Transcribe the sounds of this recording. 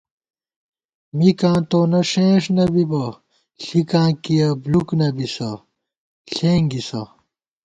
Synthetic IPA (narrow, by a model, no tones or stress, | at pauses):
mikãːt̪oːnɐɕẽːʂnɐbibɐ | ɬikãːkijɐbluknɐbisɐ | ɬẽːŋɡisɐ